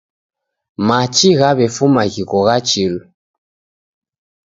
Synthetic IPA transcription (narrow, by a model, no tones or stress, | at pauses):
mat͡ʃiɣaβɛfumaɣiɣɔɣat͡ʃilu